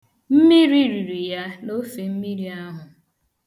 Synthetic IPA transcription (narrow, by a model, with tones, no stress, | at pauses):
m̩˦mi˦ɾi˦ɾi˨ɾi˨ja˦no˦fe˨m̩˦mi˦ɾi˨a˦ɦʊ˨